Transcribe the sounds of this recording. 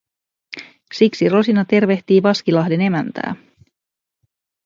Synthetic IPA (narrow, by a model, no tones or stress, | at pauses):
siksiro̞sinɑt̪e̞rʋe̞ht̪iːʋɑskilɑɦde̞ne̞mænt̪æ̰ː